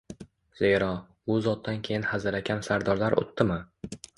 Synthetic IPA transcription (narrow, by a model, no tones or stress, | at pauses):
z̥e̞ɾɒ | ʊzɒt̪̚d̪ːankʲʰe̞jɪnhazɪɾakʲʰansaɾd̪ɒɾlaɾʔo̰t̪ʰːɪmɪ